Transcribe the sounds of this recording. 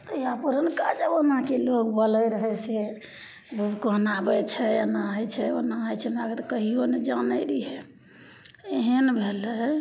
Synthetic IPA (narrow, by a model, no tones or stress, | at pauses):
t̪iapəɾənkad͡ʒəbonãkelokbələɾəɦɛse | bʱubkoɦnabɛt͡ʃʰɛənaɦət͡ʃʰɛo̰naɦəjt͡ʃʰɛmeaɡet̪ɔkəɦioned͡ʒanəɾiɦɛ | eɦənbʱelɛ